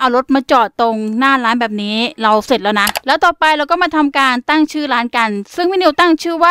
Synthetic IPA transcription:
ʔa˨˧˩wlo˦˥t̪̚maː˧t͡ɕɔː˨˩t̪ːo˧ŋnaː˥˩laː˦˥nbɛː˨˩p̚niː˦˥ɾa˧wse˨˩t̪̚lɛː˦˥wna˦˥lɛː˦˥t̪ɔː˨˩pa˧jɾa˧wkɔ˥˩maː˧t̪ʰa˧mkaː˧nt̪a˥˩ŋt͡ɕʰɯː˥˩ɾaː˦˥nka˧nsɯ˥˩ŋmiː˦˥˩ni˧wt̪a˥˩ŋt͡ɕʰɯː˥˩waː˥˩

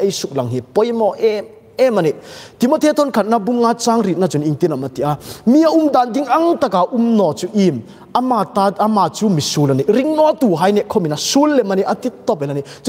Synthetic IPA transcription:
ʔe˦˧jsu˨k̚la˨ŋɦi˨pɔ˧˦jmɔ˧ʔɛ | ɛ˦ma˨ni˨ʔt̪i˨mɔ˧t̪ʰe˦t̪ʰɔ˦nkʰɐ˨t̪̚na˧bu˦ŋːa˧˦t͡sa˧˦ŋri˨t̪̚na˧t͡su˨ni˧ŋt̪i˦na˨mɐ˨t̪i˨ʔa˧mi˧˦a˧ʔu˨˦md̪a˨ndi˦ŋɐ˦ŋt̪a˧ka˨ʔu˦mnɔ˨t͡su˦ʔi˧m | a˧ma˧t̪a˧ɐ˧ma˨t͡su˦mi˨su˨la˨ni˨ʔɾi˦ŋnɔ˦t̪u˨ɦa˧˦jnɛ˧˨ʔ̚kʰɔ˦mi˨na˧su˦lːɛ˨ma˧ni˨ʔɐ˧t̪i˦t̪ːɔ˧pɛ˨la˨ni˨ʔ

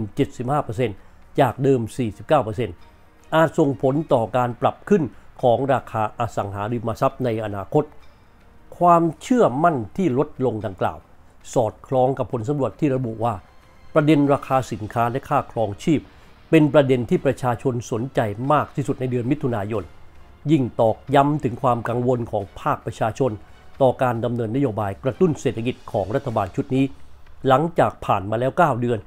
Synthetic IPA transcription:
nt͡ɕe˨˩t̪̚si˨˩p̚haː˥˩pɤː˧se˧nt͡ɕaː˨˩k̚dɤː˧msiː˨˩si˨˩p̚kaː˥˩wpɤː˧se˧n | ʔaː˨˩t̪̚so˨˩ŋpʰo˩˦nt̪ɔː˨˩kaː˧npɾa˨˩p̚kʰɯ˥˩nkʰɔː˩˦ŋɾaː˧kʰaː˧ʔa˧sa˩˦ŋɦaː˩˦ɾi˧maː˧sa˦˥p̚na˧jʔa˧naː˧kʰo˦˥t̪̚ | kʰwaː˧mt͡ɕʰɯ˥˩ɐma˥˩nt̪ʰiː˥˩lo˦˥t̪̚lo˧ŋda˧ŋkla̰ː˨˩w | sɔː˨˩t̪̚kʰlɔː˧˥ŋka˨˩pʰːo˩˦nsa˨˦mɾu˨˩ət̪ʰːiː˥˩ɾa˧bu˨˩ʔwaː˥˩ | pɾa˧de˧nɾaː˧kʰaː˧si˨˩˦nkʰaː˦˥lɛ˦˥kʰaː˥˩kʰlɔː˧ŋt͡ɕʰiː˥˩p̚ | pe˧npɾa˧de˧nt̪ʰiː˥˩pɾa˧t͡ɕʰaː˧t͡ɕʰo˧nsu˨˩˦nt͡ɕa˧jmaː˥˩k̚t̪ʰiː˥˩su˨˩t̪̚na˧jdɯ˧ənmi˦˥t̪ʰːu˧naː˧jo˧n | ji˥˩ŋt̪ɔː˨˩k̚ja˦˥mt̪ʰɯ˩˦ŋkʰwaː˧mka˧ŋwo˧nkʰɔː˩˦ŋpʰaː˥˩k̚pɾa˧t͡ɕʰaː˧t͡ɕʰo˧n | t̪ɔː˨˩kaː˧nda˧mnɤː˧nːa˥joː˧baː˧jkɾa˧t̪u˥˩nseː˨˩t̪ʰːa˧ki˨˩t̪̚kʰɔː˩˦ŋɾa˥t̪ʰːa˧baː˧nt͡ɕʰu˦˥t̪̚niː˦˥la˩˦ŋt͡ɕaː˨˩k̚pʰaː˨˩nmaː˧lɛː˦˥wkaː˥˩wdɯ˧ən

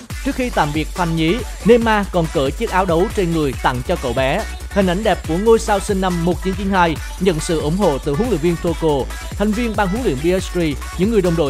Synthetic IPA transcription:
t͡ɕɨ˦˥ək̚xi˧t̪a̰ː˧˨mvi˨˩ək̚fʰa˧˩ŋɲi˨˦ | ne˧maː˧kɔ˨˩nkəː˧˩t͡ɕi˦˥k̚ʔaː˨˦wɗə˨˦wt͡ɕe˧nŋɨ˨˩əjt̪a̰˧˨ŋt͡ɕɔ˧kə̰˧˨wɓɛ˨˦ | hï˨˩ŋ̟ʔa˧˩jŋ̟ɗɛ˨˩p̚ku˧˩əŋo˧jsaː˧wsï˧ŋ̟na˧mːo˨˩t̚t͡ɕi˨˦nt͡ɕi˨˦nhaː˧j | ɲə̰˧˨nsɨ̰˧˨ʔʊ˧˩ŋ͡mɦo̰˧˨t̪ɨ̰˧˨ɦu˨˦lḭ˧˨ənvi˧ənt̪ʰo˧ko˧ | t̪ʰjŋ̟vi˧ənɓaː˧ŋɦu˨˦əŋlḭ˧˨əŋɓi˧ʔɛ˦˥si˧ | ɲɨ̰˧˥ŋːɨ˨˩əjɗə˨wŋ͡mɗo̰˧˨

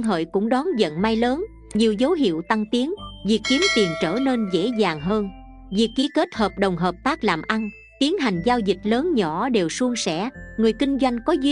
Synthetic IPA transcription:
ŋɦə̰ː˧˨jkʊ̰˧˥ŋ͡mɗɔ˨˦nzə̰˧˨nma˧jləː˨˦n | ɲi˨˩əwzə˨˦wɦḭ˧˨əwt̪a˧ŋt̪i˨˦ənvi˨˩əkːi˨˦əmt̪i˨˩ənt͡ɕə̰ː˧˩ne˧nzḛ˧˥zaː˨˩ŋɦəː˧n | vḭ˨˩əkːi˨˩ke˦˥t̚həː˨˩p̚ɗə˨˩wŋ͡mɦəː˨˩p̚t̪aː˦˥k̚la̰ː˨˩mʔa˧n | t̪i˨˦ənɦa˨˩jŋ̟zaː˧wzï˨˩k̟̚ləː˨˦nɲɔ˧˩ɗe˨˩wsu˧əŋsɛ̰˧˥ŋɨ˨˩əjkï˧ŋ̟zwa˧jŋ̟kɔ˨˦z

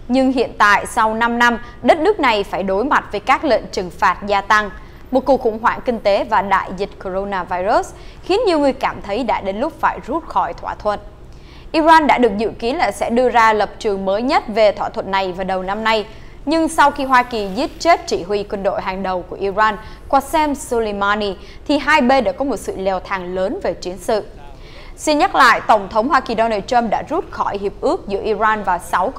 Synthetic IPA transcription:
ɲɨ˧ŋɦḭ˧˨ənt̪a̰ː˧˨jsa˧wna˧mna˧m | ɗə˦˥t̚nɨ˦˥ək̚na˨˩jfaː˧˩jɗo˨˦jma˨˩t̚vəː˨˦jkaː˦˥k̚lḛ˧˨nt͡ɕɨ˨˩ŋfaː˨˩t̚zaː˧t̪a˧ŋ | mo˨˩t̚ku˨˩ək̚xʊ̰˧˩ŋ͡mɦwa̰ː˧˩ŋkï˧ŋ̟t̪e˨˦vaː˨˩ɗa̰ː˧˨jzï˨˩t̟̚ko˧zo˧naː˧vaː˧jzu˦˥s | xi˨˦ənɲi˨˩əwŋɨ˨˩əjkaː˧˩mt̪ʰə˨˦jɗa̰ː˧˥ɗe˨˦nlʊ˦˥k͡p̚faː˧˩jzu˦˥t̚xɔ˧˩jt̪ʰwaː˧˩t̪ʰwə̰˧˨n | ʔi˧zaː˧nɗa̰ː˧˥ɗɨ˨˩ək̚zɨ̰˧˨ki˨˦nlaː˨˩sɛ̰˧˥ɗɨ˧əzaː˧lə˨˩p̚t͡ɕɨ˨˩əŋməː˨˦jɲə˦˥t̚ve˨˩t̪ʰwaː˧˩t̪ʰwə̰˧˨nːa˨˩jvaː˨˩ɗə˨˩wna˧mna˧j | ɲɨ˧ŋsa˧wxi˧ɦwaː˧ki˨˩zi˦˥ət̚t͡ɕe˦˥t̚t͡ɕi˧˩ɦwi˨˩kwə˧nɗo̰˧˨jɦaː˨˩ŋɗə˨˩wku˧˩əʔi˧zaː˧n | kwaː˧˩sɛ˧msu˧lə˧jmaː˧ni˧ | t̪ʰi˨˩ɦaː˧jɓe˧nɗa̰ː˧˥kɔ˨˦mo˨˩t̚sɨ̰˧˨lɛ˧˩wt̪ʰaː˨˩ŋləː˨˦nve˨˩t͡ɕi˨˦ənsɨ̰˧˨ | si˧nɲa˦˥t̚la̰ː˧˨jt̪ə˧˩wŋ͡mt̪ʰə˨˦wŋ͡mhwaː˧ki˨˩ɗɔ˧naː˧tə˧mɗa̰ː˧˥zu˦˥t̚xɔ˧˩jɦi˨˩əp̚ʔɨ˦˥ək̚zɨ̰˧˥əʔi˧zaː˧nvaː˨˩sa˨˦w

